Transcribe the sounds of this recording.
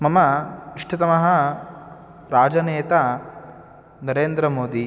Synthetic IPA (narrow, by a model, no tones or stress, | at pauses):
mɐmɐiʂʈʰɐt̪ɐmɐɦɐ | ɾaːd͡ʒɐneːt̪a | nɐɾeːnd̪ɾɐmoːd̪i